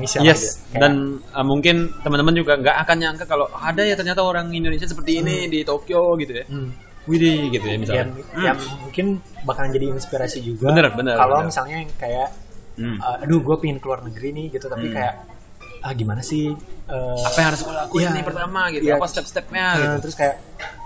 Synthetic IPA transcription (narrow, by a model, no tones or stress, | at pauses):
nisajɛskadanəmuŋkɪnt̪əmənt̪əmənd͡ʒuɡaŋɡaʔakanɲaŋkakaloadajat̪ərɲat̪aoɾaŋindonesias̬əpərt̪iːnidit̪okioɡit̪uja | widiɡit̪ujamisalaɲajaŋmuŋkɪn | bakald͡ʒadiːnspiɾasid͡ʒuɡbaənərbənərkalomisalɲaŋkajaʔ̩ | əːduhɡuapiŋɪnkəluarnəɡɾinɪhɡit̪ut̪apikajaʔ | əɡimanasɪəapajaŋhaɾʊsbəlakuinipərt̪amaɡit̪uapast̪ɛp̚st̪ɛp̚ɲaɡit̪əɾʊskajaʔ